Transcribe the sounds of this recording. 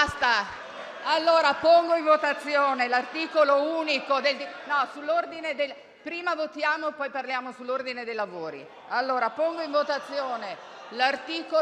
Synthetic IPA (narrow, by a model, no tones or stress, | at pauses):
st̪a | alːoːɾapoŋɡoiɱvot̪at̪sːjoːnelart̪iːkolouːnikod̪eld̪inɔsulːord̪ined̪el | pɾiːmavot̪jaːmopɔjparljaːmosulːord̪ined̪ejlavoːɾḭ | alːoːɾapoŋɡoiɱvot̪at̪sːjoːne | lart̪iːko